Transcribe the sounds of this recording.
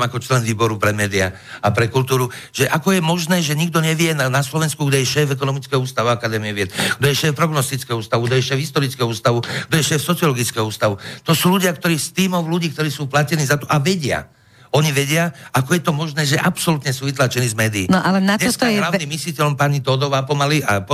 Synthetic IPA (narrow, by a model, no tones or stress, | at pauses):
makɔt͡ʃlɛnʋiːbɔɾupɾɛmɛːd̪ia̰ | apɾɛkult̪uːɾu | ʒ̥ɛʔakɔjɛmɔʒnɛːʒɛɲiɡd̪ɔɲɛʋɪjɛnnaslɔʋɛnskuɡd̪ɔjɛʃɛːfɛkɔnɔmit͡skɛɦuːst̪aʋakad̪ɛːmiɛʋɪɛt̪ɡ̥d̪ɔjɛʃɛːfpɾɔɡnɔst̪it͡skɛɦɔuːst̪auɡd̪ɔjɛʃɛːvɦist̪ɔɾit͡skɛɔuːst̪aʋuɡ̥d̪ɔjɛʃɛːfsɔt͡siɔlɔɡit͡skɛɦɔuːst̪aʋut̪ɔsuːluɟɪakt̪ɔɾiːst̪iːmɔʊluɟiːk̚t̪ɔɾiːsuːplacɛniːzat̪ɔʔaʋɛɟɪa̰ | ɔɲiʋɛɟɪaakɔjɛt̪ɔmɔʒnɛːʒɛʔapsɔlut̪ɲɛsuːʋit̪laːt͡ʃɛniːzmɛːd̪iːnɔʔalɛnaɲɛɔst̪lanimːislicɛlɔmpaɲit̪ɔd̪ɔʋaːpɔmaliʔa̰p